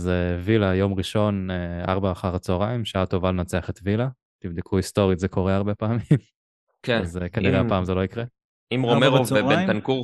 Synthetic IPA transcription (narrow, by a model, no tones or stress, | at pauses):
zevilajo̞mʁiʃo̞nea̰ʁbaːχaʁat͡soʁaimʃaat̪o̞valnat͡seaχet̪vila | t̪ivd̪ikʰuist̪o̞ʁit̪zekʰo̞ʁeaʁbepaːmim | keazkaniʁeapaːmzeloikʁe | imʁomeʁoent̪ankuʁ